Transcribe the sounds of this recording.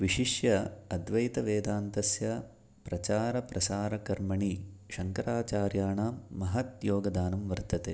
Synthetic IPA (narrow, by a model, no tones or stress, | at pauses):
ʋiʂiʂjɐɐd̪ʋɐjt̪ɐʋeːd̪aːnt̪ɐsjɐ | pɾɐt͡ʃaːɾɐpɾɐsaːɾɐkɐɾmɐɳiʃɐŋkɐɾaːt͡ʃaːɾjaːɳaːmːɐɦɐt̪joːɡɐd̪aːnɐmʋɐɾt̪ʰɐt̪eː